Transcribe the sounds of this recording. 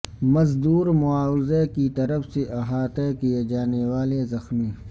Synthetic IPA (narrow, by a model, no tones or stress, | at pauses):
mɐzd̪uːɾmʊaːwzekit̪ɐɾəfseʔɐɦaːt̪ekijed͡ʒaːnewaːlezɐxmiː